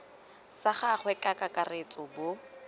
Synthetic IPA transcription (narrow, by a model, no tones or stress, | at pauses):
saχaχwɛkʼakʼakʼaret͡sʼɔbʊ